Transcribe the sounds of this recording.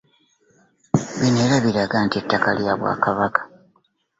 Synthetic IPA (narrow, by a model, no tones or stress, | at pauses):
βineːlaβiɾaɡaːntietːakaljaβwa̰ːkaβakḁ